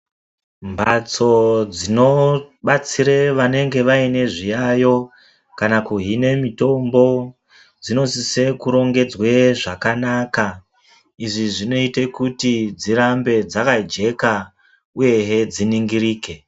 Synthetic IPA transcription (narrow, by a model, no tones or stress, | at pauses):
mbat͡so̞d͡zino̞ɓat͡siɾeʋane̞ŋɡe̞ʋaine̞ʐijajo̞ | kanakuɦine̞mito̞mbo̞ | d͡zino̞sise̞kuɾo̞ŋɡe̞d͡zweʐakanaka | iʐiʐino̞ite̞kutid͡ziɾambe̞d͡zakad͡ʒe̞ka | uje̞ɦed͡ziniŋɡiriːke̞